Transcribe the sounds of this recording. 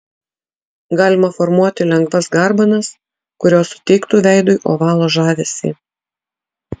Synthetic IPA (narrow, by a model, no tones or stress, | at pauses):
ɡɑːlʲɪmɐfɔɾmuɔt̪ʲɪlʲɛŋɡʋɐsɡɑˑɾbɐnɐs | kʊɾʲoːsʊ̥t̪ʲɛɪkt̪uːʋʲæɪd̪ʊɪʔoːʋɑːlˠoːʒɑːʋʲesʲḭː